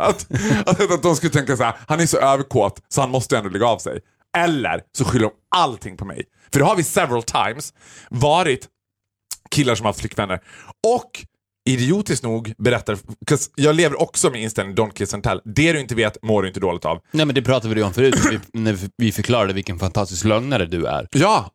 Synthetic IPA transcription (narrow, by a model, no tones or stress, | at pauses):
at̪at̪ɛat̪̚d̪ɔmskɵlət̪ɛŋkasaæːɾhanæʂɔʔøːvəɾkʰoːt̪sɔhanmɔst̪əɛnd̪oːlɛɡːaːvsɛ̰j | ɛlːə̰ɾsɔɧʏlːəɾɔmalt̪ʰɪŋpʰɔmɛ̰j | fœɖɛhaɾvɪsɛvɾalt̪ʰa̰ɪms | vɑːɾɪt̪ | kʰɪlːaʂɔmhaft̪flʏkːvɛnːəɾɔkː | ɪd̪ɪuːt̪ɪsknuːɡbɛɾɛt̪ːaɾkʰasjɑːɡleːvəɾʔɔksɔmɪnɪnst̪ɛlnɪŋd̪ɔnkʰɾɪsɛnt̪ʰɛ̰lːd̪ɛd̪ɵ̟ɪnt̪əveːt̪moːɖɵɪnt̪əd̪oːlɪɡ̚t̪ʰa̰ːvnɛmɛnd̪ɛpʰɾɑːt̪avɪd̪ɔmfœɾʉːɪnævɪfœɾkʰlɑːɾad̪əvɪlkənfant̪ʰast̪ɪsklœŋnaɾəd̪ɵæ̰ɾjɑː